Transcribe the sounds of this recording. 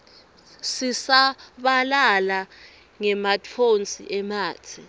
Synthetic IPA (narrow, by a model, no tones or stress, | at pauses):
sisaɓalala | ŋɛmatʰont͡sʼḭʔɛmaːtʰi